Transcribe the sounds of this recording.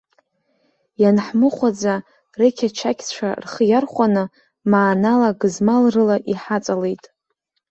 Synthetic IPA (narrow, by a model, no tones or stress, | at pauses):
janħmɨχʷad͡za | rekʲʰat͡ʃʰakʲʰt͡ʃʷʰa̰rχjarχʷanɨ | maːnalaɡɨzmalrɨlaʔiħat͡sʼale̞jtʼ